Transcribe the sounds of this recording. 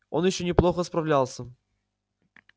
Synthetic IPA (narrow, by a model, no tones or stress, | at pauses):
o̞̰njɪɕːonʲɪplˠo̞xəspɾɐvlʲalˠsʲə